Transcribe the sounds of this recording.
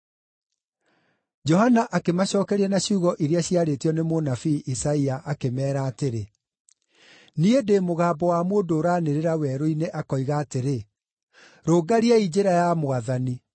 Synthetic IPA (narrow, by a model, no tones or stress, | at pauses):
d͡ʒɔhanaʔakemaɕɔːkɛɾiɛnaɕuːɣɔʔiɾeaɕiaɾetiɔnemonafiʔisaiaʔakemɛːɾaːteɾe | niedemoɣaːbɔwamoːndoːɾaːneɾeɾawɛɾoineʔakɔiɣaːteɾe | ɾoːɡaɾiaid͡ʑeɾajamoaðani